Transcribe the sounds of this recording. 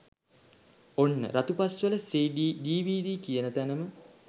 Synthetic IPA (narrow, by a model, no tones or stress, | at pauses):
onːə̰ɾat̪upasʋələseːɖiːɖiːʋiːdiːkijənət̪ænəmə